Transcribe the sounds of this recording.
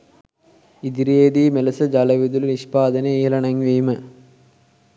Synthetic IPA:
id̪iɾeːd̪imelɐsɐd͡ʒɐlɐʋid̪ulniʂpaːðɐnɐeːlɐɳɐŋʋiːmɐ

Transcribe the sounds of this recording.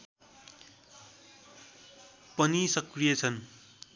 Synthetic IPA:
pʌnisʌkrijʌt͡sʰʌn

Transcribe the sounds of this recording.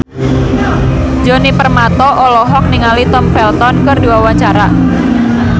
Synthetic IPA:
d͡ʒɔnipərmat̪ɔʔɔlɔɦɔk̚niŋalit̪ɔmfɛlt̪ɔnkərduwawaɲt͡ʃaɾa

